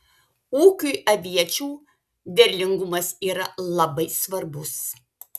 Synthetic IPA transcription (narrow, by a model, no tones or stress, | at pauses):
uːkʲujɐʋʲiɛt͡ʃʲuː | d̪ʲɛɾʲlʲɪŋɡʊmɐsiːɾɐlˠɐbɐɪsʋɐɾbʊs